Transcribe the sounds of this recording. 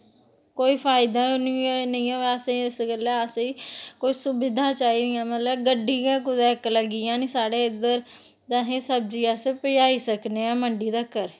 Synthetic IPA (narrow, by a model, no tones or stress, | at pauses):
koːiːpʰaːɪd̪ãːniːnəĩːãːʋeəsẽːɪsɡəlɛːəsikoisʊbɪd̪ãːt͡ʃaːiːd̪ijãːmət̪ləbɡəɖːiːkaːkʊd̪ɛːkləɡiːãːnĩːsaːɽeːɪd̪əɾ | t̪ãɦẽːsəbd͡ʒiːaːsepəjaːiːsəkneːãːməɳɖiːd̪aːkəɾ